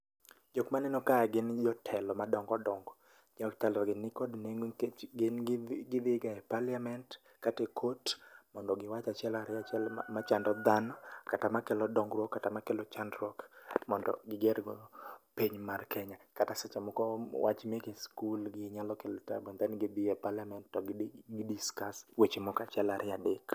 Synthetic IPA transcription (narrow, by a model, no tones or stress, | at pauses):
d͡ʒokmanɛnɔkajaɡɪnd͡ʒɔtʰɛlɔmadɔŋɡɔdɔŋɡɔ | d͡ʒaktɛlɔɡɪnːɪkɔdneɡɪnɡɪd̪ɪɡaɛpaliamɛnt | katekʰotmɔndɔɡɪwat͡ʃat͡ʃɪɛlaɾɪat͡ʃɛlmat͡ʃandɔd̪anɔkatamakɛlɔdɔŋɡɾwɔkːatamakɛlɔt͡ʃandɾɔkmɔndɔ̰ɡɪɡɛɾɡɔpeɲmarkʰɛɲakatasɛt͡ʃamɔkɔwa̰t͡ʃmekeskulɡɪɲalɔkelta̰bɔnd̪ɛnɡɪbiɛpalɪamɛntːɔɡɡidiskaswet͡ʃemɔkat͡ʃɪɛlaɾʔɪadek